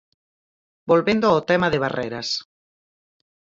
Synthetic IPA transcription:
bolβend̪oawt̪ɛmaðɪβ̞arɛɾɐs

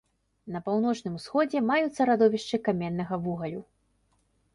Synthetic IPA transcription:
nɐpawn̪ɔt͡ʂnɨmusxɔd͡zʲɛmajut̪sːɐɾad̪ɔvʲiʂt͡ʂɨkamʲɛnːɐɣɐvuɣɐlʲu

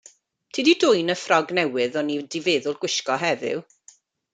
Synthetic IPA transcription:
tʰiːdidʊjnəfrɔɡnɛwɪðɔnidɪveːðʊlˠɡ̥wɪʃkɔɦɛðɪ̰w

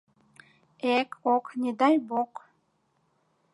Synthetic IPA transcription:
ekʰokned̪ɑjbok

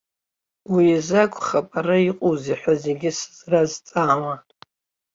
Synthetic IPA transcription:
wiazakʷʰʼχapʼaɾaiqʼuziħʷaze̞ɡʲɪsɨ̥zrazt͡sʼaːma

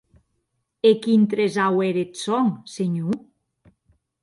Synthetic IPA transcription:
ekint̪ɾezaweɾet̪soŋseɲu

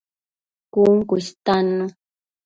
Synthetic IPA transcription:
kuŋkʊst̪ano

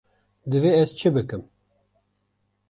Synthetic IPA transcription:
d̪ɨveːɛzt͡ʃʰɨbɨkɨm

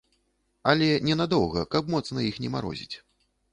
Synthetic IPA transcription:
alʲɛnʲɛnad̪ɔwɣɐ̰kapmɔt̪snɐixnʲɛma̰ɾɔ̰zʲit͡sʲ

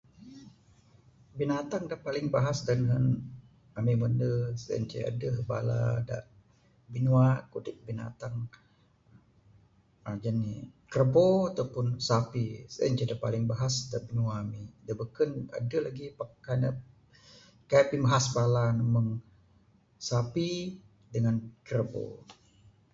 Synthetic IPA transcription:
binat̪aŋdaʔpalɪŋbaɦasdanɦən | amiməndəsə̰nt͡ʃə̰a̰dəɦəba̰la̰da̰ʔ | binuakudɪk̚bina̰t̪aŋ | ad͡ʒanikərboat̪awpʊnsapisa̰ɲt͡ʃədapalɪŋbaɦasdaʔbinuaːmidabəkəna̰dəlaɡipakanə | kaaʔpimbaɦasbalanəməŋ | sapi | dəŋankərbo̰

